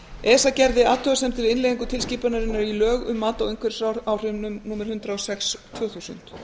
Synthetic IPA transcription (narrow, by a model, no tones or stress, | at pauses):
ɛːsacɛɾðɪaːt̪ʰːœasɛmt̪ʰɪlɪnleːðiŋkʏt̪ʰɪlsciːpanaɾɪnːaɾilœːɣʏmːaːt̪awejŋkʰvɛɾ̥saaːwr̥ʏmnʏmnuːmɪɾ̥hʏnt̪ɾaɔsɛkst̪ʰv̥œːθusʏ̰nt̪